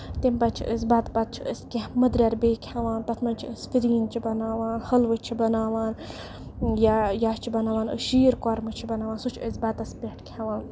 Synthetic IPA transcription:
t̪impɐt͡ʃʰḭʔə̰sbɐt̪pɐt̪̚t͡ʃʰiə̰sʲkeməd̪ɾʲɐɾbeːkʰʲaʋaːnpɐt̪ʰmɐnt͡ʃʰiəsfiɾiːnt͡ʃʰibɐnaːʋaːnhɐlʋɨt͡ʃʰibɐnaːʋaːn | jajat͡ʃʰibɐnaːʋaːnə̰ʃiːɾkɔɾmɨt͡ʃʰibɐnaːʋaːnsut͡ʃʰəsbɐt̪ɐspeʈʰkʰʲaʋaːn

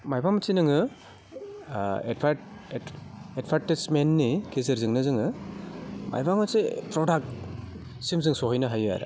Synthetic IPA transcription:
majbamɐsinɯŋɯ | edpʰaɾ | edpʰaɾtismenːikezɯɾzɯŋnɯzɯŋɯ | mʔa̰jbamɐsipɾɔdak̚t | simzɯŋsɔɦɔjnɐɦaja̰ɾa̰

